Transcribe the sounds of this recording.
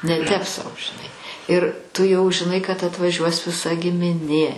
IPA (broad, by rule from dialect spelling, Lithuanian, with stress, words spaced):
nʲɛ ˈtʲɛp sɐʊ ʒʲɪˈnɐɪ ɪr tʊ jɛʊ ʒʲɪˈnɐɪ kɐt ɐtʋɐˈʒʲuɔs ʋʲɪˈsɐ ɡʲɪmʲɪˈnʲeː